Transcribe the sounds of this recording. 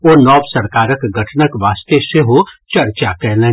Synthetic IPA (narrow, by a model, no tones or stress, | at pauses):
oːnɔːbsɐɾkaːɾəkɡʱɐʈʰnəkʋaːst̪eseɦot͡ʃɐɾt͡ʃakɛɦlẽː